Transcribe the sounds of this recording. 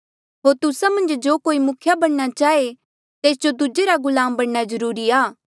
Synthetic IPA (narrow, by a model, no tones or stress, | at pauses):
ɦoːɾt̪ʊsamɐ̃nd͡ʒd͡ʒoːkoːimʊkʰjabɐɽɽat͡ʃaːe | t̪eːs̬d͡ʒod̪ʊd͡ʒeɾaɡʊlaːmbɐɽɽazɐɾuːɾiaː